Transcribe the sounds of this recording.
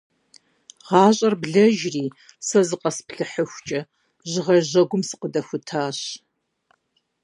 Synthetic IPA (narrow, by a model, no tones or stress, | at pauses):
ʁɑːɕʼɐrbɮɐʒriː | sɐzɨqʼɐspɬɨħəxʷt͡ʃʼɐ | ʑɪʁɐʑɐɡʷʊmsɨ̥qədɐxʷʊtʰaːɕ